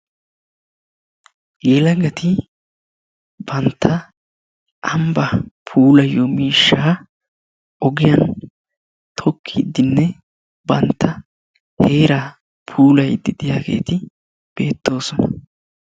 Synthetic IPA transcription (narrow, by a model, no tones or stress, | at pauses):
jeːlɐɡɐt̪ɪ | bɐnt̪ʰːɐ | ʔɐmbɐpʰuːlɐjːɔmiːʃːaː | ɔɡɪjɐn | t̪ʰɔkʰːɪd̪ːɪnːɛ | bɐnt̪ʰːɐ | he̞ːɾa | pʰuːlɐjd̪ɪd̪ɪjaːɡe̞̰ːt̪ɪ | b̥e̞ːt̪ːo̞ːsɔnɐ